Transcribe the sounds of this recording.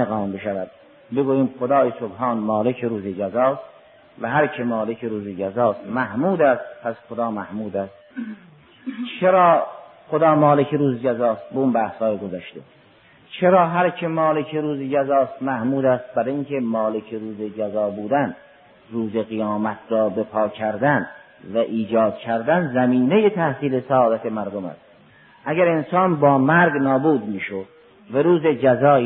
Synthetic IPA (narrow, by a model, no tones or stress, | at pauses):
eɣɑːmbeʃævæd̪̥̚ | beɡuːjiːmxod̪ɑːjesobɦɑːnmɒːlekʰeɾuːzed͡ʒæzɒːst̪ | væɦæɾkʰemɒːlekʰeɾuːzed͡ʒæzɒːst̪mæhmuːd̪æst̪̚pʰæsxod̪ɒːmæhmuːd̪æst̪ | t͡ʃʰeɾɒːxod̪ɒːmɒːlekʰeɾuːzed͡ʒæzɒːst̪̚beunbæːhshɒːjeɡozæʃt̪ḛ | t͡ʃʰeɾɒːɦæɾcʰemɒːlecʰeɾuːzed͡ʒæzɒːst̪mæhmuːd̪æst̪̚bæɾiŋkʰe̞mɒːlekʰeɾuːzed͡ʒæzɒːbuːd̪æn | ɾuːzeɣejɒːmæt̪ʰɾɒːbepʰɒːcʰæɾd̪æn | væʔiːd͡ʒɒːd̪̚cʲʰæɾd̪ænzæmiːnejet̪ʰæhsiːlesæɒːd̪æt̪ʰe̞mæɾd̪omæ̰st̪ | ʔæɡæɾensɑːnbɒːmæɾɡnɒːbuːd̪miːʃod̪ | væɾuːzed͡ʒæzɒː